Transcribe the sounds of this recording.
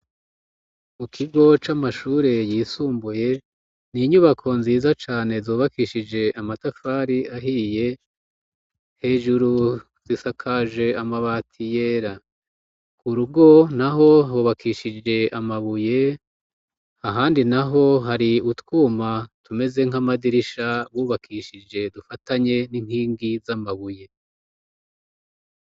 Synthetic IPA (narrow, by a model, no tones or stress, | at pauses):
mukʰiɡo̞t͡ʃamaʃuːɾe̞jiːsuːmbuje̞ | niɲuβakʰo̞nziːzat͡ʃaːne̞zoːβakiʃid͡ʒe̞ʔamatafaːɾiaɦiːje̞ | he̞ːʒuɾu | z̥isakʰaʒe̞amaβaːtʰijeːɾa | kuɾuɡo̞naɦo̞huβakʰiʃid͡ʒe̞ʔamaβuje̞ | aɦaːndinaɦo̞ɦaɾiutwuːmatume̞ze̞ŋ̥amadiɾiʃaβuːβakʰiːʃid͡ʒe̞dufataɲe̞nin̥hiːŋɡizamaβuje̞